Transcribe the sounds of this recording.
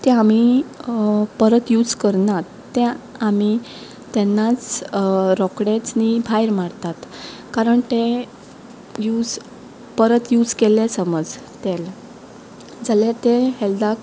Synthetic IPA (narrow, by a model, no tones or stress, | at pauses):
t̪ɛami | pəɾət̪jud͡zkəɾnat̪ːɛ̃ami | t̪ɛnːat͡s | ɾɔkɽet͡snibʱajɾmaɽt̪at̪ | kaɾəɳt̪ẽ | juːd͡z | pəɾət̪jud͡zkelẽsəməd͡z | t̪ɛl | d͡zaljat̪ehɛld̪ak